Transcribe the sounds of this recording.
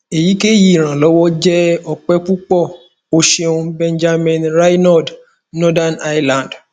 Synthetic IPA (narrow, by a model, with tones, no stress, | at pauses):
e˨ji˨˦ke˦ji˦i˨ɾ̃ã˨lɔ˨˦wɔ˦d͡ʒɛ˦ɔ˧k͡pɛ˦k͡pu˦k͡pɔ˦˨ | o˧ʃe˧ũ˧bɛ̃˧n˦d͡ʒa˧mĩ˨nɾa˦jnɔ˦˨d | nɔ˦da˦˨na˦jlã˨n˨d